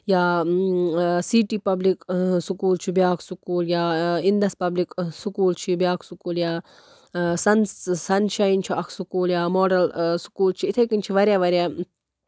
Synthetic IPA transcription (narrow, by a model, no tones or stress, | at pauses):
jaː | siːʈiːpɐbliksukuːlt͡ʃʰibjaːksukuːljaːind̪ɐspɐbliksukuːlt͡ʃʰibjaːkʰsukuːljaː | sɐnsɐnʃajnt͡ʃʰiɐkʰsukuːljaːmoːɖɐlsu̥kuːlt͡ʃʰiit̪ʰekinʲt͡ʃʰiʋɐɾjaːʋɐɾjaː